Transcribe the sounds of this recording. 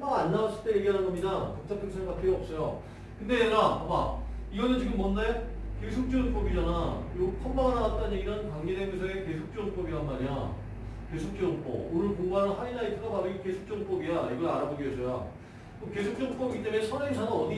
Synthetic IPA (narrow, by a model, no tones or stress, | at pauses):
maanːawaɕʰi̥t͈eje̞ɡiɦanɯnɡʌmɲidakɯk̚tʰapʰeksʰeɡak͈eʌp̚s͈ʌjo | kɯnde̞eɾaʌma̰iɡʌnɯnt͡ɕiɡɯmːwʌndake̞sʰok̚t͡ɕ͈oɡɯnp͈obid͡ʑanajopʰʌnbaŋanaɡat̚t͈anjeɡiɾankaŋedemosʰʌeke̞sʰok̚t͡ɕ͈oɡɯnp͈ʌbiɾanmaɲa | ke̞sʰok̚t͡ɕ͈ʌɡɯnp͈o̰onɯɭpoŋmaɾɯnhaɲinaitʰɯɡapaɾoiɡoke̞sʰo̥k̚t͡ɕ͈ʌɡɯnp͈ʌbiaiɡʌɾaɾaboɡiʌs͈ʌjo̰ | koke̞sʰok̚t͡ɕ͈ʌɡnp͈ʌbiɡit͈emeesʰʌnʌŋʰanɯnʌdi